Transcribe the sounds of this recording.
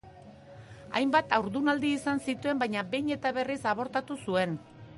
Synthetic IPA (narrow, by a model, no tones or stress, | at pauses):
a̰jmbat̪awɾðunald̪iːsansit̪ue̞mbajɲabe̞jɲe̞t̪aβe̞risaβ̞o̞ɾt̪at̪usue̞n